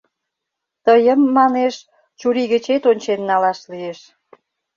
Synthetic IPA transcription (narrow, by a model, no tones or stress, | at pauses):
t̪əjəmːɑneʃ | t͡ɕuɾiɣət͡ɕet̪onʲt͡ɕenːɑlɑʃlieʃ